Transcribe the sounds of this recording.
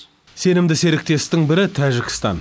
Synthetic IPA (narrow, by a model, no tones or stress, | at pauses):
se̞nɪmd̪ɪse̞ɾɪk̚t̪e̞st̪ɪŋbɪɾɪt̪ʰæʒɪkʲɪ̥st̪ɑ̰n